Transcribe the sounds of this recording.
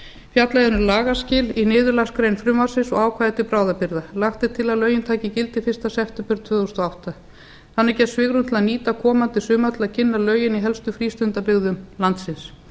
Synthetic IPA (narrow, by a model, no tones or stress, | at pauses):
fjat̪laðʏnʏlaːɣascɪːlinɪːðʏɾlaskɾeːjnfɾʏmvḁsɪsɔɣaːwkʰvaːjðt̪ɪpɾaːwðapɪɾðalaxt̪ɪt̪ʰɪlaðlœːɥjɪnt̪ʰaːcɪcɪlt̪ɪfɪr̥st̪asɛft̪ɛmpʏɾt̪ʰv̥ʏːðɔst̪ɔawht̪a | θanːɪɾcɛt̪svɪːɣɾumt̪ʰɪlaðniːt̪akʰɔːmant̪ɪsʏːmat̪ʰɪlaðcʰɪnːalœːɥjɪniɦɛlst̪ʏfɾiːst̪ʏnt̪apɪɣðʏmlant̪sɪns